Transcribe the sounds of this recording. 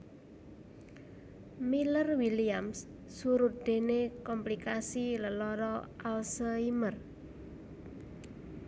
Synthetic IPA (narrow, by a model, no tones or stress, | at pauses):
milərwiliamsː | uɾut̪̚d̪̥e̤nekɔmplikasiləlɔɾɔʔalsəimər